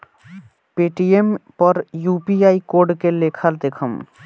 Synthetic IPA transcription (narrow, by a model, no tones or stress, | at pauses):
peʈiempəɾjupiaikoɾɖkelekʰəld̪ekʰəm